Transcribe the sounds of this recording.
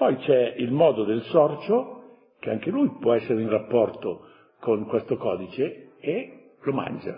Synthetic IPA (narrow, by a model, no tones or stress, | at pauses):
pɔjt͡ʃɛilmɔːd̪od̪elsɔrt͡ʃo | keaŋk̟elujpwɔɛsːeɾeinrapːɔrt̪o | koŋkwest̪okɔːd̪it͡ʃeː | loma̰nd͡ʒa̰